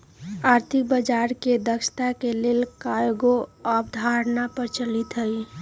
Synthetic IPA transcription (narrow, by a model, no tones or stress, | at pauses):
aːɾt̪ʰik̚bəd͡ʒaɾked̪əkʃt̪akelelkajɡoəbd̪ʱaɾnapəɾt͡ʃəlit̪ɦəj